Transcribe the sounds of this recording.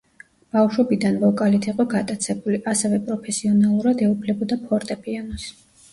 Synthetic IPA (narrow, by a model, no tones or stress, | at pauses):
b̥afʃwɔbid̪anvɔkʼalit̪ʰiqʼɔɡat̪ʼat̪sʰɛbuliʔasɛvɛpʼɾɔpʰɛsiɔnalˠuɾad̪ɛupʰlɛbɔd̪apʰɔɾt̪ʼɛpʰʼianɔs